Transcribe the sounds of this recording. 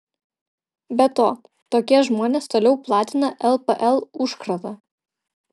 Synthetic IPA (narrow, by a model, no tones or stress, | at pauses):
bʲɛt̪oː | t̪oːkʲiɛʒmoːnʲeːst̪oːlʲɛʊplˠɑːt̪ʲɪnɐʔɛlˠpəʔɛlˠʊʃkɾɐt̪ɐ